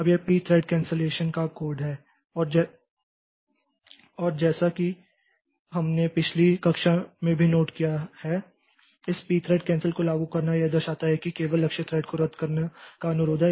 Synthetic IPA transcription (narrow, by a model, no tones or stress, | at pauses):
ɐbjepiːt̪ʰɾɛːɖkɛ̃ːnseleːʃənkakoːɾɖɦɛː | ɔːɾd͡ʒɛ | ɔːɾd͡ʒɛːsaki | ɦɐmnepɪt͡ʃʰlikɐkʃamẽbʱinoːʈkijahɛ | ɪspiːt̪ʰɾeːɖ̚kɛ̃ːnsəlkolaːɡukɐɾnajed̪əɾʃaːt̪aɦɛkikeːʋəlːɐkʃət̪ʰɾɛːɖkoɾɐd̪ʱkɐɾnekaɐnʊɾoːd̪ʱɦɛ